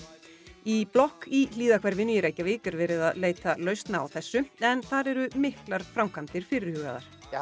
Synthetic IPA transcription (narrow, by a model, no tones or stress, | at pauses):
iplɔhkiliːðakʰvɛɾvɪnːʏjɛɾajcavɪːkʏɾvɛːɾɪðaðleːjt̪alœɥst̪na̰ːwθɛsːʏɛnθaɾɛɾʏmɪhklaɾ̥fɾawmkʰant̪ɪɾ̥fɪːɾɪɾ̥hœːɣa̰ða̰ɾ̥